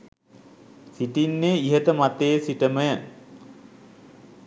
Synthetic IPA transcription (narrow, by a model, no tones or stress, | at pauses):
siʈinːeiɦəʈəmat̪eːsiʈəməjə